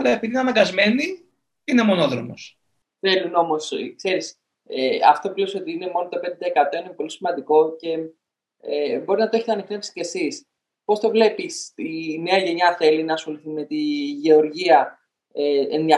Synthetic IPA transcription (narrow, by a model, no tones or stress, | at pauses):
ɐlɐepiðinɐmɐɡɐzme̞ni | inemo̞no̞ðɾomo̰s | θe̞luno̞mo̞skse̞ɾis | eɐ̰ft̪o̞pleso̞t̪iine̞mo̞not̪o̞pe̞nd̪d̪ɐekɐt̪o̞ine̞po̞lisimɐnd̪iko̞ce̞ | ebo̞ɾiznɐt̪o̞eçet̪eɐnikt̪e̞psi̥ce̞sis | po̞st̪o̞vle̞pisine̞ɐʝe̞ɲɐθe̞linɐːsxo̞liθime̞t̪iʝe̞o̞ɾʝiɐ | eenðiɐ